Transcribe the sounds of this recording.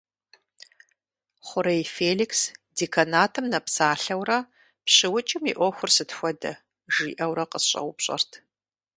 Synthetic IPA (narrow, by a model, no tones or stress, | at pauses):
χʷʊɾɐjfeːliksdiːkʰɐnaːtʰɨmnɐpsaːɬɐwɾɐ | pɕɪwʊt͡ʃʼɪmḭʔʷɔxʷʊrsɨtxʷɔdɐ | ʒiːʔɐwɾɐqəsɕʼɐ̰wʷʊpɕʼɐ̰rtʰ